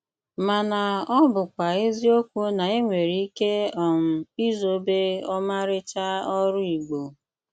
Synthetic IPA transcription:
ma˨na˨ɔ˦bʊ˨kʷa˨e˦zi˦o˦kʷu˦na˨e˦ŋʷe˨ɾi˨i˦ke˦ɔ˨m̩˨i˦zo˨be˦ɔ˦ma˦ɾɪ˦t͡ʃa˦ɔ˦ɾʊ˦i˨ɡ͡bo˨

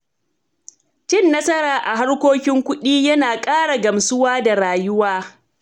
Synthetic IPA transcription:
t͡ʃɪ˦˨nːɐ˦sɐ˦ɾaː˨ʔa˨ɦa˦ɽkʷoː˦kʲɪ˦ŋkʷʊ˦ɗiː˦jɐ˦naː˨kʼaː˦ɽa˨ɡɐ˨msʊ˦waː˦da˨ɾaː˨jʊ˦waː˦

